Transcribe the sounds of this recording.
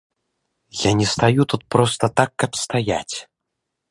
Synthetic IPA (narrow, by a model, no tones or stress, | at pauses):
lʲanʲɛst̪ajut̪ut̪̚pɾɔst̪ɐt̪akːɐpst̪aja̰t͡sʲ